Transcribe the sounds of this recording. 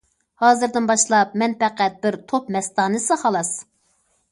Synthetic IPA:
hɑːzɨɾd̪ɨnbɑʃlˠɑpmɛnpɛqʰæt̪̚bɪɾt̪ʰopmɛst̪ɑːnɨsɨχɑlˠɑs

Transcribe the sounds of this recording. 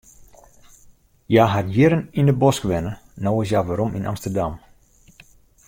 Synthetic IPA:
jaɦatjɪɾənindəbɔskʋɛnənowɪs̬jaʋaɾominʔa̰mstərdam

